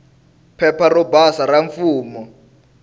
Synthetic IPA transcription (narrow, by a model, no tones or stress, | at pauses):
pʰɛparɔbasaɾaɱfuːmɔ